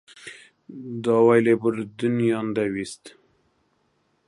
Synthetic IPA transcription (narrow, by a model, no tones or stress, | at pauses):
d̪ɑwajlebəɾd̪unjɑnd̪awist̪